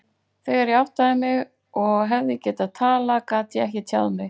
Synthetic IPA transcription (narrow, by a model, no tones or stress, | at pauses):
θɛɣaɾjaawht̪aðɪmɪɣ | ɔɣɦɛvðɪcɛːt̪aðt̪ʰaːlakaːt̪jɛɛhcɪt̪ʰja̰wðmɪɣ